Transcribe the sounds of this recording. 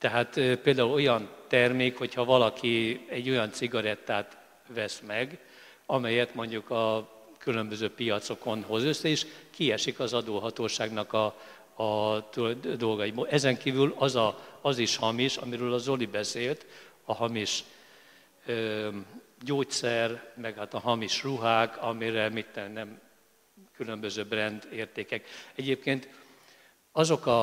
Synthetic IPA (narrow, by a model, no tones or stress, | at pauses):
t̪ɛɦaːt̪peːld̪aːulo̞jɒnt̪ɛrmeːkho̞chɒvɒlɒkiɛɟːo̞jɒnt̪siɡɒɾɛt̪ːaːt̪ | vɛsmɛɡ | ɒmɛjɛt̪mo̞ɲɟukɒ | kylø̞mbøzøːpijɒt̪so̞ko̞nɦo̞zøsːɛeːʃkiɛʃikɒzɒd̪oːɦɒt̪oːʃaːɡnɒkɒː | t̪d̪o̞lɡɒjibolʔɛzɛŋkiːvylɒzɒɒziʃhɒmiʃɒ̰miɾøːlɒzo̞libɛseːlt̪ | ɒɦɒmiʃ | ø | ɟoːtsɛrmɛɡhaːt̪ɒɦɒmiʃruɦaːkɒmiɾɛmit̪ːɛnːɛm | kylø̞mbøzøːbrɛnd̪eːrt̪eːkɛkɛɟeːp̚keːnt̪ | ɒzo̞kɒ